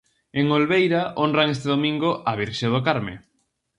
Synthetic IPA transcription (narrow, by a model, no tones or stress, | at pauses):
eŋolβejɾaʔonraŋes̬t̪eðomĩŋɡoʔaβ̞iɾʃeð̞okaɾmḛ